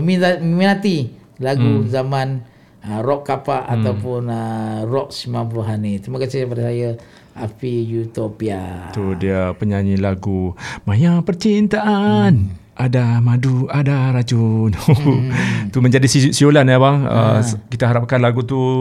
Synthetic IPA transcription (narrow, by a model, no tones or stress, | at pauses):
əmiamiminat̪ilaɡuzaman | ərɔkːapaʔat̪aupʊnərɔk̚simãmpluɦanit̪ɾimakasɪhpadasajə | apijut̪opiat̪udiapəɲaɲilaɡumajapərt͡ʃint̪aʔan | ʔadamaduadaɾat͡ʃunu | t̪uməɲd͡ʒadisisiolanabaŋə̰kit̪aɦaɾap̚kanlaɡut̪u